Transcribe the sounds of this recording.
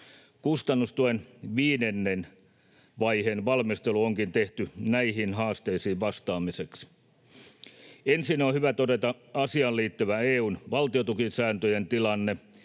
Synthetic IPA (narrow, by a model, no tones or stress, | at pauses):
kust̪ɑnːust̪uenʋiːnenːen | ʋɑihenʋɑlmist̪eluoŋkint̪eht̪ynæihinhɑːst̪eisiːʋʋɑst̪ɑːmiseks | ensinohyʋæt̪odet̪ɑɑsiɑlliːt̪ːyʋæeːuːnʋɑlt̪iot̪ukinsæːnt̪øjent̪ilɑnːe